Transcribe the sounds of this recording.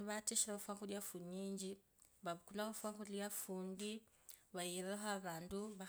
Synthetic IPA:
βatiʃiɾaβafwaxuljafuɲiːɲd͡ʒi | βaβukulahafwaxuljafuːndi | βajiɾeɦoaβaːnduβa

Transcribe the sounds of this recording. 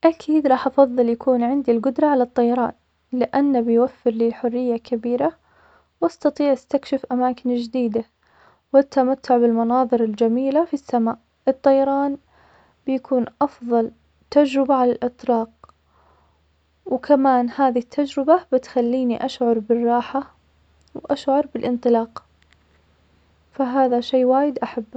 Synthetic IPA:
ʔakʰiːd̪ɾˤɑːħʔɑfɑðˤːɨljakʰuːnʕɪnd̪ilɡʊd̪ɾˤɑʕalat̪ˤːɑjɑɾˤɑ̰ːn | lɪʔanːabɪjwafːɪɾliːlħʊrːɪjːakabiːɾa | wʔɑst̪ɑt̪ˤiːʕʔast̪akʃɪfʔamaːkɪnd͡ʒd̪iːd̪a | wɪt̪ʰːamat̪ʰːʊʕbɪlmɑnɑːðˤɨɾɪld͡ʒamiːlafisːamaːʔ | ʔɨt̪ˤːɑjɑɾˤɑːn | bɪjakʰuːnʔɑfðˤɑl | t̪ːad͡ʒɾɪbaʕalalʔɨt̪ˤlɑːq̚ | wkʰamaːnhaːðiɪt̪ʰːad͡ʒɾɪbabɪt̪xalːiːniʔaʃʕɑɾˤbɪrˤːɑːħa | wʔaʃʕɑɾˤbɪlʔɪnt̪ˤɨlɑːq | faɦaːðaʃeːwaːjɪd̪ʔaħabː

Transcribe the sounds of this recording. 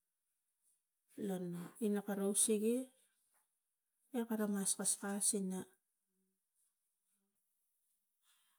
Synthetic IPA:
lonoinakaɾowsiɡe | ekaɾamaskaskasina

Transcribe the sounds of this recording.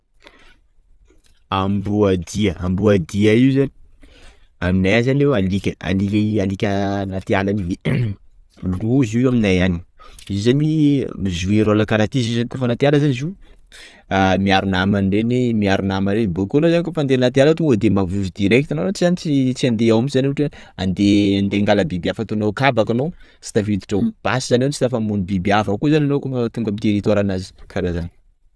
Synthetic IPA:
ambuad̪iəambuad̪iaiuzani̥ | aminajzanewalikʲəa̰lialikʲənat̪ialanie | uziaminajani̥izzanimizuiɾalakaɾat̪izizanik̪ofanat̪ialəzanizu | amiaɾunamanrenimiaɾunamaɾenibokonozankofand̪elinat̪ialat̪ued̪emavivid̪iɾɛk̚t̪anoat͡sizanit͡sit͡siand̪eawamzaniuʈ͡ʂea̰nd̪eand̪eŋɡaləbibiafat̪onokabakano | si̥t̪avid̪i̥ʈ͡ʂawb̥asizanawnt͡ʃi̥t̪afamunibibiavakuzananokot̪uŋɡamit̪eɾit̪aɾanazi̥kʰaɾazani̥

